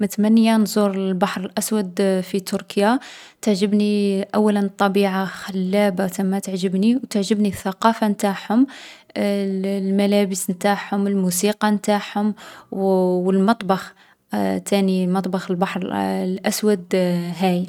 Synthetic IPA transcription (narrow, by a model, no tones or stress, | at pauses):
mət̪mænːjanzˤuɾˤəlbɑħɾəlʔæswəd̪fit̪ʊɾkjat̪əʕʒəbniʔæwːælənt̪ˤːɑbiʕaxəlːæbat̪əmːat̪əʕʒəbniwt̪əʕʒəbniθːɑqɑfant̪aħhʊm | lmælæbəsnt̪aħhʊməlmusiqɑmt̪aħhʊm | wəlmɑt̪ˤbɑx | t̪ʰænimɑt̪ˤbɑxəlbɑħɾlʔæswæd̪ɦæj